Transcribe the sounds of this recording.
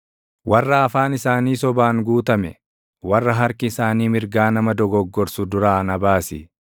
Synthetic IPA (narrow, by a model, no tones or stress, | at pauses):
wʔɐrːɐːfaːnɪsaːniːsɔbaːŋɡuːt̪ɐmɛ̰ | wɐrːɐɦɐɾkɪːsaːniːmɪɾɡaːnɐmɐd̪ɔɡɔɡːɔɾsʊd̪ʊɾaːnɐbaːsɪ